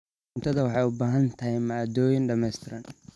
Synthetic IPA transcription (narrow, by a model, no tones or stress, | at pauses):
nt̪ʰɐðɐwɑħɑjʊbaːɦɐnt̪ʰɐɦɛjmad̪ɔːjɪnɖɐmɛst̪ʰɪɾɐn